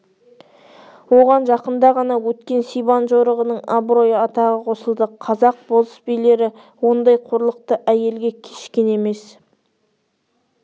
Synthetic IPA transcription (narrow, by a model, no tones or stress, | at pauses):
wo̞ʁɑnʒɑqənd̪ɑʁɑnɑwɵt̪kʲe̞nsijbɑnʒoɾəʁənəɴɑbɾo̞jəɑt̪ɑʁəqʰo̞səlˠd̪əqʰɑzɑq̚bozə̥sbijle̞ɾɪ | wo̞nd̪ɑjqʰoɾlˠəq̚t̪əʔæje̞lɡʲekʲʰe̞̥ʃkʲe̞ne̞me̞s